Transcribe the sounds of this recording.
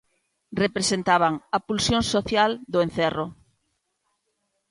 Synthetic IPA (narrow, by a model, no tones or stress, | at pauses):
repɾesent̪aβaŋapulsjõŋsoθjald̪ʊẽn̟θɛro